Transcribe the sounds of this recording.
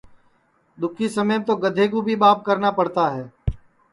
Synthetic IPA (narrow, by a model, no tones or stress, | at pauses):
d̪ʊkʰisəməjmt̪oːɡəd̪ʱeːɡubʱiɓaːp̚kəɾnapəɽt̪aɦɛː